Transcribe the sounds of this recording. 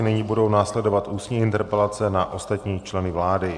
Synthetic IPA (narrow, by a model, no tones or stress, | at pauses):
nɪɲibudo̞wnaːslɛdo̞vat̪ʔuːsɲiːʔɪnt̪ɛɾpɛlat͡sɛnaʔo̞st̪at̪ɲiːt͡ʃlɛnɪvlaːdɪ